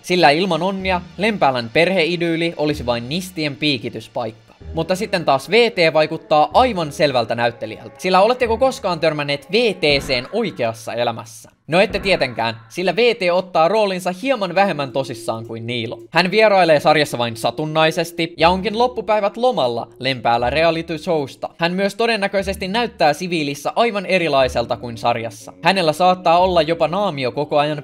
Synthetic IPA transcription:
silːæilmɑno̞nːiɑle̞mpæːlænpe̞rhe̞idyːliʔo̞lisiʋɑinːist̪iempiːkit̪yspɑjkːɑ̥mut̪ːɑsit̪ːe̞nt̪ɑːsʋe̞ːt̪e̞ːʋɑjkut̪ːɑːʔɑjʋɑnse̞lʋælt̪ænæyt̪ːe̞lḭæ̰lt̪æ̥silːæo̞le̞t̪ːekoko̞skɑːnt̪ørmænːe̞ːt̪ʋe̞ːt̪eːse̞ːno̞jk̟e̞ɑsːɑ̰e̞læmæ̰sːæ̥̰ | noe̞t̪ːet̪iet̪e̞ŋk̟æ̰ːnsilːæʋe̞ːt̪eːo̞t̪ːɑːro̞ːlinsɑhiɑmɑnʋæɦe̞mːænt̪o̞sisːɑ̰ːŋkuinːiːlo̰hænʋieɾɑjleːsɑrjɑsːɑʋɑinsɑt̪unːɑjse̞st̪ijɑo̞ŋkinlo̞pːupæjʋæt̪lo̞mɑlːɑ̰le̞mpæːlːære̞ɑlit̪usowst̪ɑ̰hænmyøst̪o̞de̞nːækøise̞st̪inːæyt̪ːæːsiʋiːlisːæʔɑjʋɑne̞ɾilɑjse̞lt̪ɑkuinsɑ̰rjɑ̰sːɑ̰hæne̞lːæsɑːt̪ːɑːo̞lːɑjːo̞pɑnɑːmio̞ko̞ko̞ɑjɑn

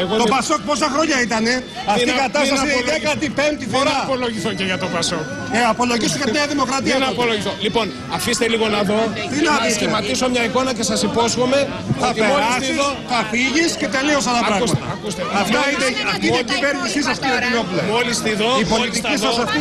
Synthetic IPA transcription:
eɣot̪opɐso̞k̚po̞s̬ɐxɾo̞ɲɐit̪ɐne̞ | ɐfiikɐt̪ɐsɐɐsiekɐt̪ipent̪ifoɾɐpoloʝiθuceʝɐt̪opɐsok | eɐpo̞loʝisuʝɐmeɐðimo̞kɾɐt̪iɐnɐpoloʝisθolipo̞n | ɐfist̪eliɣo̞nɐðo̞t̪inɐist̪imɐt̪isomɲɐiko̞nɐce̞sɐsipo̞sxo̞me̞ | θɐpeolɐsssoθɐfiʝisce̞t̪e̞lio̞s̬ɐlɐpɾɐɣɐɣmɐt̪ɐ̰kust̪eɐft̪ɐit̪eɐt̪ieciveɾnisis̬ɐft̪iot̪inopulɐmolist̪iðoipo̞lit̪iisɐsɐft̪i

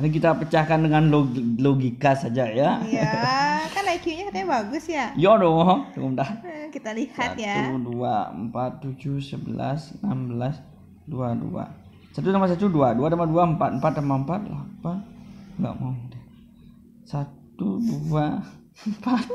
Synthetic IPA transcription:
anik̬it̪apət͡ʃahkandəŋanloloɡikasad͡ʒajaakalaikjuɲakit̪aabaɡʊsjajɔdoŋɔt̪ṵŋʊmdahkit̪alihsa̰jauduaə̰mpat̪ːud͡ʒuhsəbəla̰sənambəlas | duadṵa̰ | sat̪unamas̬at̪uduaduanamaduaəmpat̪̚əm̩pat̪̚namaəmpat̪̚lapanŋɡa̰ʔmawda | sat̪udua | əmpat̪̚

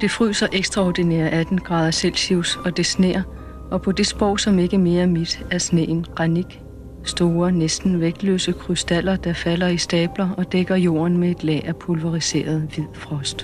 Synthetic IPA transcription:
d̥e̝fʁy̰ːsɐʔeɡ̥sd̥ʁɑɒd̥inɛ̰ːɐʔæd̥n̩ɡ̥ʁɑ̈ːð̞ˠɐselsiʊ̰sɒ̽d̥e̝snḛːɐ | ɒ̽pʰɒ̽d̥e̝sb̥ɒ̰ʊ̰sɒ̽me̝ɡ̥əme̝ːɐmid̥æɐsne̝̰ːnɡ̥ʁɑniɡ̥ | sd̥o̝ːɐnesd̥n̩ʋeɡ̥̚d̥lø̰ːsəkʰʁysd̥æl̰ɐd̥ɑ̈fælɐisd̥ɛːb̥lɐɒ̽d̥eɡ̥ɐjo̝̰ːɐnmee̝d̥lɛ̰ːæpʰulʋɑʁise̝̰ːɐð̞ˠʋið̰ˠfʁɒ̽sd̥

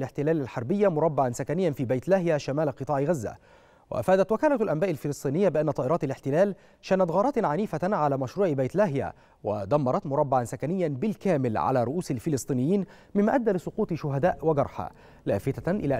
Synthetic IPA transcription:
lɪħt̪ɪlæːlalħɑɾˤbɪjːamʊɾˤɑbːaʕansakænɪjːanfiːbajt̪læhjaʃamæːlqɨt̪ˤɑːʕɣazːa̰ | wa̰ʔa̰faːd̪æt̪wɪkæːlalʔæmbaːʔalfɪlɨsˤt̪ˤiːnɪjːabɪʔanːæt̪ˤɑːʔɪɾˤɑːt̪alɪħt̪ɪlæːl | ʃæːnat̪ɣɑːɾˤɑːt̪ʕaniːfaʕalaːmæʃɾuːʕbajt̪laɦja̰ | wa̰d̪ɑmːɑɾˤɑt̪mʊɾˤɑbːaʕansakænɪjːanbɪlkæːmɪlʕa̰laːɾˤʊʔuːsalfɪlɨsˤt̪ˤiːnɪjːiːnmɪmːaʔad̪ːalɪsˤʊquːt̪ˤʃʊɦad̪aːʔwaɡɑɾˤħa̰ | la̰ːfɪt̪aʔɪlæːʔ

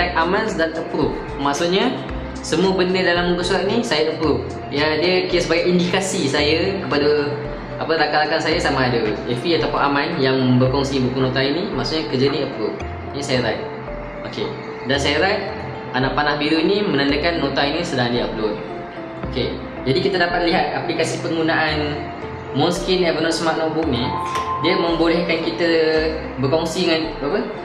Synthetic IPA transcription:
ajt̪̚ʔamansdanəpɾuʔ̚ | maʔsuʔ̪̚ɲa | səmuəbəndədalaməmbəsuat̪nisajaʔəpɾʊʔ̚ | jadiəkit̪əʔsəbaɡajindikasisajəkəpadə | apəɾakaʔlakansajasamãːdəɛfiat̪apʊnamãnjaŋməbəkɔŋsibukunõt̪ainimaʔsuʔɲakəd͡ʒəniəpɾuʔ̚ | isajaɾajt̪̚ | oke | dansajaɾat̪̚ | anaʔpanahbiɾuinimə̃nandəkanːõt̪ainĩsədaŋandiəplu | oke | d͡ʒadikit̪adapat̪̚liɦat̪̚aplikasipəŋɡunaʔan | munskinɛvənɔnsmaʔ̪̚nɔʔk̚bʊk̚nidiəmə̃mbolɛhkankit̪ə | bəkɔŋsidəŋanapə

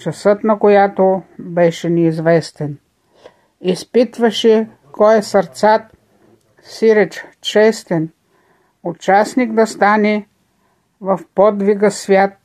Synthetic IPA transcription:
t͡ʃɐsɤt̪nɐkojat̪obɛʃɛnɛizvɛst̪ɛn | ispit̪vɐʃɛ | kʰɔɛsɐɾt̪sat̪ | siɾɛt͡ʃt͡ʃɛst̪ɛn | ot͡ʃasniɡd̪ɐst̪anɛ | vɐfpɔd̪viɡəsvʲjat̪̚

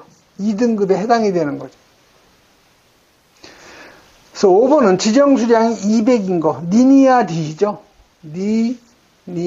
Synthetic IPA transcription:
idɯŋɡɯbehedaŋidwe̞nɯnɡʌd͡ʑo̥ | sʰʌobʌnɯnt͡ɕid͡ʑʌŋsʰuɾjaŋiibe̞ɡinɡʌniniadid͡ʑo | ni | ni

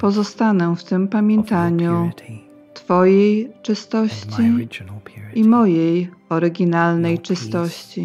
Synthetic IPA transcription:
pɔzɔst̪anɛft̪ɘmpamʲjɛnt̪aɲu | t̪fɔjejt͡ʂɘst̪ɔɕt͡ɕi | ʔimɔjejɔɾɘɡʲinalnɛjt͡ʂɘst̪ɔɕt͡ɕi

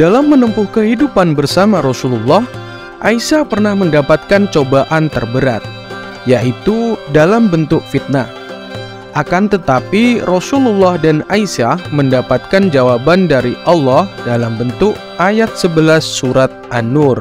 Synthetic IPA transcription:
dalamːənəmpʊhkəɦidupanbərsamaɾɔsululːɑh | ʔaisapərnahməndapat̪̚kant͡ʃobaʔant̪ərbəɾa̰t̪̚ | jaʔit̪udalambənt̪ʊk̚fit̪̚na | ʔakant̪ət̪apirɔsululːɔhdanaisaməndapat̪̚kand͡ʒawabandaɾiʔɑlːɑhdalambənt̪ʊk̚ | ʔajat̪̚səbəlasːuɾat̪̚ʔanʊr

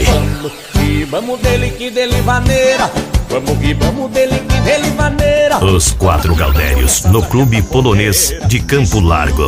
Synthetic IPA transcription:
ɐmʊ | kivɐ̃mʊd̪elɪkɪd̪elɪvɐneɾɐvɐ̃mʊkivɐ̃mʊd̪elɪkɪd̪elivɐneɾɐʊskwat̪ɾʊɡa̰wd̪ɛ̰ɾjʊ̰znʊklubɪpolonezd͡ʒɪkɐ̃mpʊla̰ɾɡʊ̰

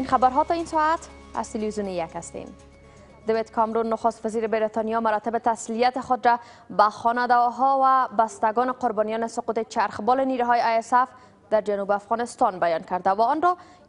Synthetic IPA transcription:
inxabaɾɦɔt̪ɒinsɔat̪ | a̰z̥t̪ɪlvizjunijakast̪ḛm | d̪ewet̪kʰɔmɾunːʊxʊst̪waziɾɪbeɾet̪ɔnijɔmaɾɔt̪ɪbet̪aslijat̪ɪxʊd̪ɾa | baxɔnad̪aɦɔwabast̪aɡɔnɪqʊɾbɒnijɔnɪsʊqut̪ɪt͡ʃaɾxbɔlɪniɾuɦɔjeajesaf | d̪̥aɾd͡ʒanubafɣɔnɪst̪ɒnbajɒnkaɾd̪awaɔnɾɔ

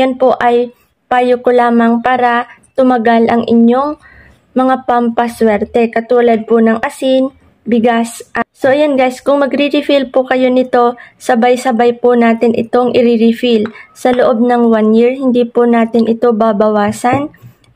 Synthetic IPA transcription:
janpoʔɐj | paːjokolaːmɐŋpaːɾɐt̪ʊmɐɡalʔɐŋʔɪ̰ɲo̞ŋ | mɐŋapɐmpɐswɛɾt̪ɛkɐt̪uːlɐd̪̚ponɐŋʔɐsɪn | bɪɡasʔso̞ʔjonɡajskʊŋmɐɡɾiɾɪfilpʊkɐjo̞nɪt̪o̞sɐbajsɐbajpʊnaːt̪ɪnʔɪ̰t̪o̞ŋʔɪɾɪɾɪfilsɐloʔo̞b̚nɐŋwanjiɹhɪnd̪ipʊnaːt̪ɪnʔɪt̪o̞babɐwaːsɐn

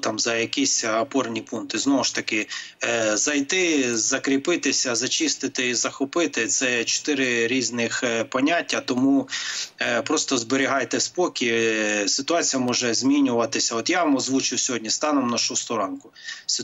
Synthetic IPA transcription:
t̪ɑmzɐjɐkisʲɐpɔrnʲipunt̪ɪznɔʋʊʃt̪ɐkɪ | zɐjt̪ɪzɐkɾʲipɪt̪ɪsʲɐzɐt͡ʃist̪ɪt̪ɪizɐxɔpɪt̪ɪt̪sɛt͡ʃɔ̥t̪ɪɾɪɾʲiznɪxpɔnʲatʲːɐt̪ɔmu | pɾɔst̪ɔzbeɾʲiɦɑjt̪ɛspɔkʲisɪt̪ʊɑt͡sʲijɐmɔʒɛzʲmʲinʲʊʋɐt̪ɪsʲɐɔt̪jaʋmɔzʋut͡ʃɪwsʲɔɦɔdʲnʲist̪ɑnɔmnɐʃɔɦɔst̪ʊɾɑnkʊsɪ

